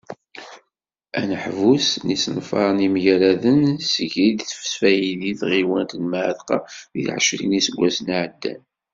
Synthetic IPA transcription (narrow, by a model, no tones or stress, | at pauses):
ænəħvusnisnfɑ̰ɾˤnimjæɾæðənsəʝid̪θfsfæjiðiθʁiwænt̪nmʕəðqɑðḭlʕə̰ʃɾḭnisəɡʷːæsnʕəd̪ːæ̰n